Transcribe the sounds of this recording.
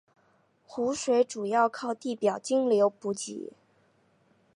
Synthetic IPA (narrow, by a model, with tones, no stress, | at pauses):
xu˧˥ʂwe˧˥ɪʈ͡ʂu˨˩jɑ˥˧ʊkʰɑ˥˧ʊt̪i˥˩pjɑ˨˩ʊt͡ɕi˥ŋljo˧˥ʊpu˧˥t͡ɕḭ˨˩˦